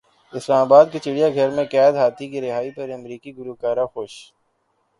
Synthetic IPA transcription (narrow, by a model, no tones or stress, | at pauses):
ɪslaːmaːbaːd̪̚kit͡ʃɪɽijaɡʱɐɾmẽkɛːd̪ɦaːt̪ʰikiɾɪɦaːipɐɾɐmɾiːkiɡʊɾukaːɾaxoːʃ